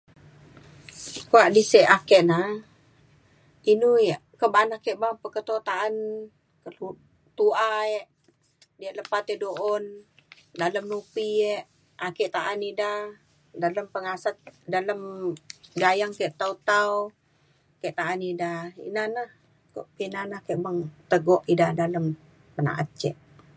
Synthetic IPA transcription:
koaʔdisɛʔakɛʔna | inujaʔkəbanahkɛʔbapəkət̪ot̪aʔan | kəlu | t̪uaɛʔ | diaʔləpat̪ɛʔdoʔɔndaləmnupiɛʔ | akɛʔt̪aʔanida | daləmpəŋasat̪̚daləm | ɡajaŋkɛʔt̪aut̪au | keʔt̪aʔanidaḭnanəh | ko̰ʔpinanahkeʔbaŋt̪əɡɔʔidahdaləm | pəna̰ʔa̰t̪̚t͡ʃɛʔ

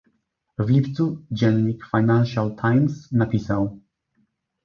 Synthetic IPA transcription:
vlʲipt̪sud͡ʑɛnɲikfajnanʃalt̪ʰajmsnapʲisaw

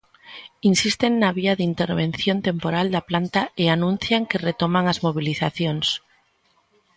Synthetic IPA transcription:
insist̪enːaβ̞iaðint̪eɾβenθjont̪empoɾald̪aplant̪aeanũn̟θjaŋkeret̪omaŋazmoβ̞iliθaθjoŋs

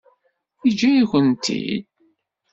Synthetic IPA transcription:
id͡ʒæiçʷənt̪ḭd̪̚

